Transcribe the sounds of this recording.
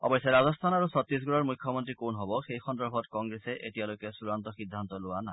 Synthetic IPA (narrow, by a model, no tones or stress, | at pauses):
ɔ̰bɔjsjaɹazɔst̪ʰanaɹusɔt̪ːis̬ɡuɹɔɹmukʰːjɔmɔntɹikonɦɔbɔxejxɔndɔɹbʱɔtkɔŋɡɹesɛʔetialojkɛsuɹant̪ɔxid̪ʱːant̪ɔlʊwana